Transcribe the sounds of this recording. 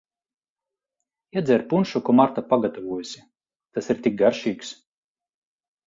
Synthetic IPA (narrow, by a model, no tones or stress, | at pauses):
iɛd̪zʲɛɾpunʃukɔmaɾt̪apaɡat̪avuɔjusʲi | t̪asiɾt̪ʲik̚ɡaɾʃiːks